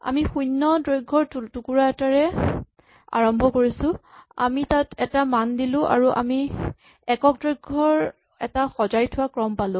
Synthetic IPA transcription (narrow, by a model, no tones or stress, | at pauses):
a̰mixujnːɔdɹojɡʱːɔɹtutukuɹaɛtaɹɛ | a̰ɹɔmbʱɔkoɹisʊ̃a̰mitatɛtamandilʊ̃ʔa̰ɹuʔa̰mi | ɛkɔk̚dɹojɡʱːɔɹ | ɛ̰taxɔzajtʰʊwakɹɔmpalʊ̃